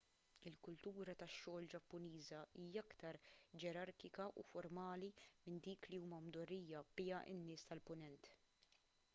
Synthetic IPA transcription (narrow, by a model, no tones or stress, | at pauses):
ɪlkʊlt̪uːɾɐt̪ɐʃːɔːld͡ʒɐpːʊniːzɐiːjɐɐkt̪ɐɾd͡ʒɛɾɐɾkɪkɐʔṵfɔɾmɐːlimɪnd̪iːkliuːmɐmd̪ɔrːiːjɐbɪːɐʔɪ̰nːɪːst̪ɐlpʊnɛnt̪